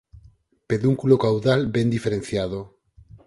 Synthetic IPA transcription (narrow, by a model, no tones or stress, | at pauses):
peðuŋkulokawðalbẽnd̪ifeɾenθjaðo